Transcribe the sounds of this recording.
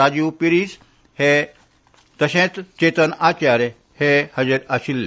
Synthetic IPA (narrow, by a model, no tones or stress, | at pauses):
ad͡ʑupiɾis | he | d̪̥əɕẽt̪t͡ɕet̪ənat͡ɕaɾe | hehəd͡ʑeɾaɕilː